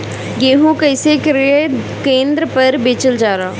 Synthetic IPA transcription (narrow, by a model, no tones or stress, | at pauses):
ɡeːɦũkɛɪsekɾe | kẽːnd̪ɾəpɐɾbeːt͡ʃəld͡ʒaːɾaː